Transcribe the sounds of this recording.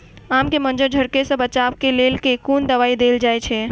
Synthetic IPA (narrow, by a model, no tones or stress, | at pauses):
amkemənd͡ʒəɾd͡ʒʱəɾkesə̃bət͡ʃaʋkelelkekond̪əʋaid̪eld͡ʒajt͡ʃʰɛ